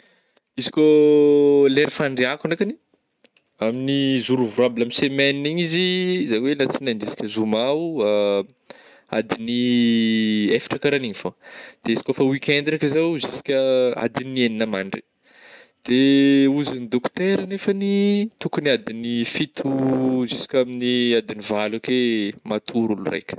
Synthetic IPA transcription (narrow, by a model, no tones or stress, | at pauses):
izi̥kʲo | leɾifaɳɖ͡ʐeakuɳekani̥ | aminizuɾuvuɾabilamisemɛniniɲizizaɲiwelat͡sinanɖ͡ʐisi̥kʲəzumaua | a̰d̪ini | efi̥ʈ͡ʂakaɾaniɲifod̪̥eezi̥kofəwikʲɛnd̪iakəzawzisi̥kʲəa̰d̪inieninəmaɳɖ͡ʐi | d̪̥euzinid̪okt̪eɾənefənit̪ukuniad̪inifit̪ʰuzisi̥kʲaminiad̪inivalakemat̪ʰuɾulṵrḛjkʲə̥